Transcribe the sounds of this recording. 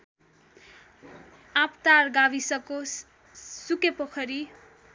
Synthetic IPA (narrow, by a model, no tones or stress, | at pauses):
apt̪arɡabisʌko | sukepʌkʰʌɾi